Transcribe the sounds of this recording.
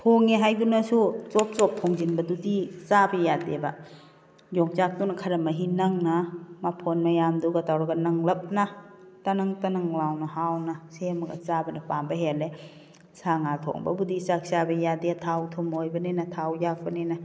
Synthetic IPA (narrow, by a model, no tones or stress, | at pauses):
pʰoŋeɦajbunɐsut͡ʃɔp̚t͡ʃɔp̚tʰɔŋzinbɐdudit͡ʃabejadebɐ | jɔŋt͡ʃak̚tunɐkʰaɾɐmɐɦinaŋnamapʰonmajamduɡatawɾaɡanaŋlɐp̚na | tanaŋtanaŋlawnɐhawnasemɐɡa̰t͡ʃabɐnɐpambɐɦele | saŋatʰɔ̰ŋbɐ̰budisak̚sabɐjadetʰawtʰɔmojbɐnenatʰawjak̚bɐnena